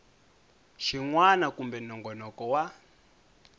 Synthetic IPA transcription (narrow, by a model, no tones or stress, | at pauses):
ʃiŋwanakumbɛnɔŋɡɔnɔkɔwa